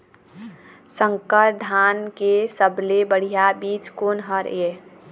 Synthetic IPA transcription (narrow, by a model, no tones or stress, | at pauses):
sə̃ŋkəɾd̪ʱaːnkesəblebəɽ̤ijabiːt͡ʃkoːnɦəɾe